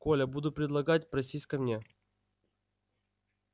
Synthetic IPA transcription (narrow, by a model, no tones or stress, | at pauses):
kolʲəbud̪ʊpɾʲɪd̪lˠɐɡatʲpɾɐsʲisʲkɐmnʲe